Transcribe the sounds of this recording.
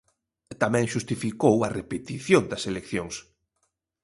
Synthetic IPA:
t̪amɛ̃ŋʃust̪ifikowɐrepet̪iθjond̪ɐselekθjoŋs

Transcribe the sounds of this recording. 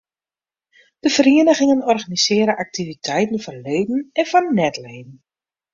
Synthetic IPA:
d̥əvəriənəɣɪŋənɔrɣanisɪːɾəʔak̚tivitʰɛjtən̩vɔnleːdn̩ɛnvɔnnɛtleːdn̩

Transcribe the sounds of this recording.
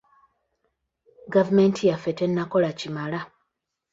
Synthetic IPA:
ɡavumentʰijafetenːako̞lacimala

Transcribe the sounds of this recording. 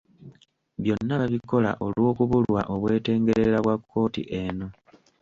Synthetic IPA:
βjo̞nːaβaβiko̞la̰ʔo̞lwo̞ːkuβulwa̰ʔo̞βwe̞ːte̞ːŋɡe̞ɾe̞ɾaβwakʰːo̞ːtḭʔeno̞

